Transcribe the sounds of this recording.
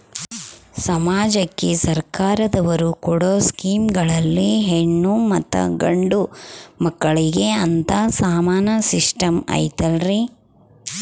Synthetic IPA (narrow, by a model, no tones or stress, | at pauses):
sɐmaːd͡ʒɐkːesɐɾkaːɾɐd̪ɐʋɐɾukɔɽoːskiːmɡɐɭɐlːiɦeɳːumɐt̪ːɐ̰ɡɐɳɖumɐkːɐɭiɡe̞ɐnt̪ɐsaːmaːnɐsiʂʈɐmɐ̰jt̪ɐlɾi